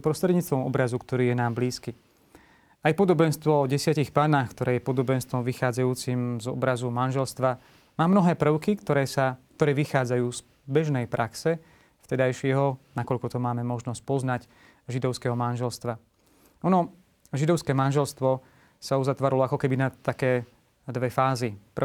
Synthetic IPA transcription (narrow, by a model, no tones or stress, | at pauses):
pɾɔst̪ɾɛd̪ɲiːt͡st̪ʋɔmɔ̰bɾazukt̪ɔɾiːjɛnaːmbliːski | ajpɔd̪ɔbɛnst̪ʋɔɔɟɛsɪacixpaːnaːxkt̪ɔɾɛːjɛpɔd̪ɔbɛnst̪ʋɔmʋixaːd͡zajuːt͡simzɔ̰bɾazumanʒɛlst̪ʋa | maːmnɔɦɛːpr̩ʊkikt̪ɔɾɛsakt̪ɔɾɛːʋixaːd͡zajuːz̥ | bɛʒnɛjpɾʔaksɛ | ft̪ɛd̪ajʃɪɛɦɔnakɔʎkɔt̪ɔmaːmɛmɔʒnɔsc̚pɔznac | ʒid̪ɔʊskɛɦɔmanʒɛlst̪ʋa | ɔnɔ | ʒid̪ɔʊskɛːmanʒɛlst̪ʋɔ | sauzat̪ʋaːɾalɔakɔkɛbinat̪akɛː | d̪ʋɛfaːzip